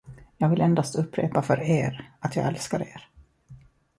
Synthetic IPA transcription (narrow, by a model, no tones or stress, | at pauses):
jɑːɡvɪlɛnd̪ast̪ɵpːɾḛːpafœɾeːɾat̪jɑ̰ːɡɛlskaɾḛːɾ